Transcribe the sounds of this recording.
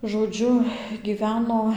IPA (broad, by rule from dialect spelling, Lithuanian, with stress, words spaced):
ʒoːˈd͡ʒʲʊ ɡʲiːˈʋʲæːnoː